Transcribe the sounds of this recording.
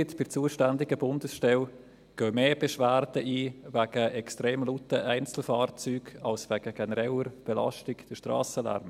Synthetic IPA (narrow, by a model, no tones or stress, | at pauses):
ɪtfɪɾt͡suːəʃtændɪɡəbʊndəsʃtɛl | ɡ̥œːmeːb̥ɛʃvæːɾdəʔiːvæɡ̥əʔɛkstɾeːmlutəʔæɪnt͡sl̩fɑːɾt͡syːɡɑlsvɛɡ̥əɡ̥ɛnɾɛʊəɾb̥ɛlɑ̰ʃtɪkd̥əʃtrɑ̰ːsəlæ̰ɾm